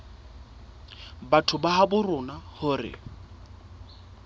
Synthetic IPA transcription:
batʰʊbaɦabʊrʊnahʊrɪ̰

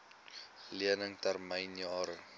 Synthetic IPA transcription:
liənəŋtærməjnjɑːɾə

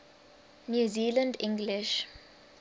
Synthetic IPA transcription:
njuːziːlə̃ndɪ̃ŋɡlɪʃ

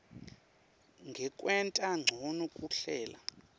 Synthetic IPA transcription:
ŋɡʱɛkʼwɛntʼaŋ͡ǀʱonukʼuɬɛːla̰

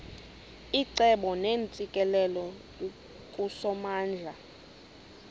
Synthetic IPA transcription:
iǀɛɓɔneːnt͡sʼikʼɛlɛlɔ | kʼusɔmaːnd͡ɮʱa

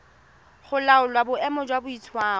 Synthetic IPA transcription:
χʊlaʊlwabʊɛmɔd͡ʒwabʊit͡sʰwaː

